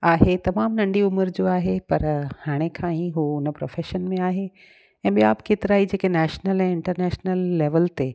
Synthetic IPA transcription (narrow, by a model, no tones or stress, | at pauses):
aːɦet̪ɐmaːmnɐ̃ɳɖiʊməɾd͡ʑoːaːɦepɐɾhaːɽ̃ekʰãːiɦuʊn̆pɾo̰ːfeːʃənmẽaːɦe | ɛ̃ːɓijaːbkeːt̪ɪɾaːid͡ʑeːkenɛːʃnəlɛ̃ːɪ̃ɳʈəɾnɛːʃnəlːeːʋəlt̪e